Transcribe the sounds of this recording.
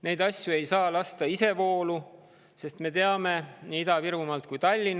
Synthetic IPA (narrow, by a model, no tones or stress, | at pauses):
ne̞jd̪̥ɑsʲjue̞jsɑːlɑst̪ɑise̞vo̞ːlu | se̞st̪me̞t̪e̞ɑme̞niːid̪ɑviɾumɑlt̪kujt̪ɑlʲːin